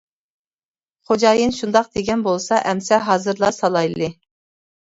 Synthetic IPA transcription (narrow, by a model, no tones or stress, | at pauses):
χod͡ʒɑːjɨnʃund̪ɑq̚d̪eɡʲɛnbolˠsɑʔɛmsɛɦɑːzɨɾlˠɑsɑlˠɑjlˠɨ